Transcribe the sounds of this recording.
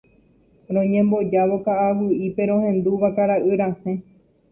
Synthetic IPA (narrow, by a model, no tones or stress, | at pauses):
ɾõɲẽ̞mbo̞d͡ʒaʋo̞kaʔaʋɨʔipe̞ɾ̃õhẽ̞nd̪uʋakaɾaʔɨɾãsẽ̞